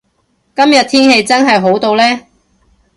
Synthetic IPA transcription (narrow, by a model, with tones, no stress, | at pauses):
kɐ˥mjɐ˨t̚t̪ʰiː˥nhe˧jt͡sɐ˥nɦɐ˨jɦo˨˥wt̪o˧wlɛː˥